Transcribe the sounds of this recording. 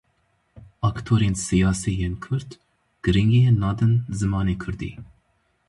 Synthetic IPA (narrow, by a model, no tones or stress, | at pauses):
ɑkt̪ʰoːɾeːnsɨjɑːsiːjeːnkʰʊɾd̪ | ɡ̥ɨɾɨŋɡenɑːd̪ɨnzɨmɑːneːkʰɨɾd̪ḭː